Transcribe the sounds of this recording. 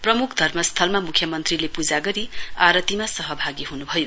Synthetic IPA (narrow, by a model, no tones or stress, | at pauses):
prʌmukʰd̪ʱʌrmʌst̪ʰʌlmamukʰjʌmʌnt̪rilepud͡zaɡʌɾiaɾʌt̪imasʌɦʌbʱaɡiɦunubʱʌjo